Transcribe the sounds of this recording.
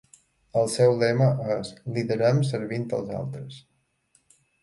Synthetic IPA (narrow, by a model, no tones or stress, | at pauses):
əlˠsɛwlɛməəsliðəɾəmsəɾβint̪ə̰lˠza̰lˠt̪ɾəs